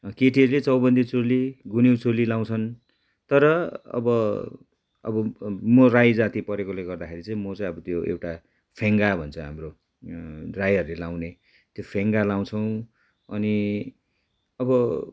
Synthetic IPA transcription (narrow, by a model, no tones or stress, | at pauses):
keʈiʌɾulet͡sʌwbʌnd̪ʱit͡soliɡuniwt͡solilaw̃t͡sʰʌn | t̪ʌɾʌʌ̰bʌ | ʌ̰bʌmʌrajd͡zat̪ipʌɾekoleɡʌrd̪akʰeɾit͡sʌ̃ĩmʌt͡sãĩʌbʌt̪joḛwʈa | pʰeŋɡabʱʌnt͡sʰʌɦa̰mro | rajʌɾulelaw̃ne | t̪jopʰeŋɡalaw̃t͡sʰʌw̃ | ʌni | ʌbʌ